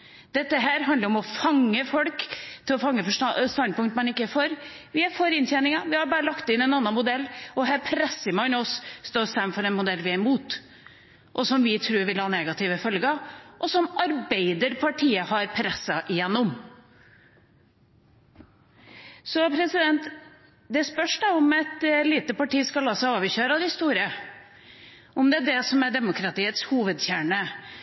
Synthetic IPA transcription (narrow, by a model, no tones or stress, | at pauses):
d̪̥ɛt̪ːəɦæːɾɦɑnd̪əɾɔmɔfɑŋːəfɔlkt̪ʰɪlɔfɑŋːəfɔʂst̪ɑnd̪̚pʰʊŋt̪mɛnɪkːəfoːɾʋɪæɾfoːɾɪnt̪jɛnɪŋɑʋɪhɑɾbɑːɾəlɑkt̪ɪnɛnɑnːɑnmʊd̪ɛlːɔɦæːɾpʰɾɛsːəmɑnɔsst̪oːɾst̪ɑmfɔɾɛnmʊd̪ɛlːʋɪæɾɪmuːt̪ | ʔɔsɔmʋɪt̪ʰɾʉːɾʋɪlhɑːneːɡɑt̪ʰɪʋəfœlɡɑʔɔsɔmɑɾbeɪd̪əɾpʰɑʈʰiːəhɑɾpʰɾɛsːəʔɪjɛnːʊm | sɔpʰɾɛsɪd̪ɛnt̪ | d̪ɛæspœʂɖ̪ɑʊmɛt̪liːt̪əpɑʈiːskɑlːɑːsæɑːʋəɕøːɾɑd̪ɪst̪uːɾə | ʊmd̪ɛæɖɛsɔmæɖɛmʊkʰɾɑt̪iːət̪shuːʋəd̪çæːɳə